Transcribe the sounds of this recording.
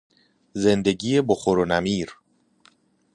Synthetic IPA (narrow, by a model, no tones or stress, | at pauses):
ze̞nd̪eɟiːjeboxoɾonæmiːɾ